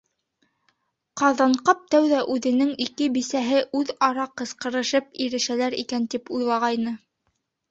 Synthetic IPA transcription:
qɑðɑɴqɑp̚t̪æwðæʔʉðɘ̆nɘŋikɘbisæɦɘʔʉðɑɾɑqɤ̆sqɤ̆ɾɤ̆ʃɤp̚iɾɘ̆ʃælæɾḭkænt̪ipujlˠɑʁɑjnɤ

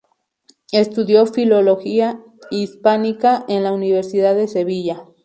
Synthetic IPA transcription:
est̪uðjo̞filo̞lo̞xia | ispanikaʔenlauniβe̞ɾsiðaðe̞se̞β̞iʝa

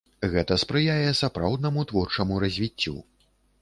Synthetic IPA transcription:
ɣɛt̪ɐspɾɨjajɛsapɾawd̪nɐmut̪vɔrt͡ʂɐmuɾɐzʲvʲit͡sʲːṵ

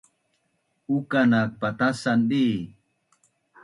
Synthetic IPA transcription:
ukanak̚pat̪asanɗi

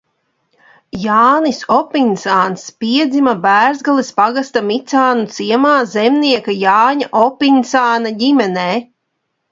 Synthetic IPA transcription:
jaːnisɔpinsaːnspiɛd̪zimabæːɾzɡalˠispaɡast̪amit̪saːnut̪siɛmaːzɛmniɛkajaːɲaʔɔpinsaːnaɟimɛnɛː

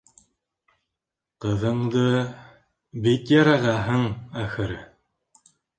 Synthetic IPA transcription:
qɤ̆ðɤ̆ɴd̪ɤ | bit̪jɑɾɑʁɑɦɤɴæxɘ̆ɾɘ

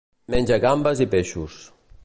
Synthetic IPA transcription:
mɛnʲd͡ʒəɣambəzipeʃus

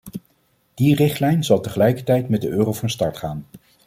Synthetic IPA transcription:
d̥irɪχtlɛjnzɑlˠtəχəlɛjkəɹtɛjtmɛdəʔøːrowvɑnstɑɹtχaːn

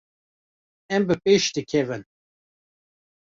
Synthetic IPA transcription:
ɛmbɨpeːʃd̪ɨkʲʰɛvɨn

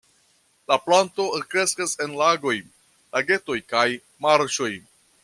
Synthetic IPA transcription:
laplanto̞kɾe̞skase̞nlaɡo̞j | lʔaɡe̞to̞jkaj | maɾʃo̞j

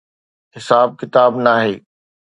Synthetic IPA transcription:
ɦɪsaːb̚kɪt̪aːbnaːɦeː

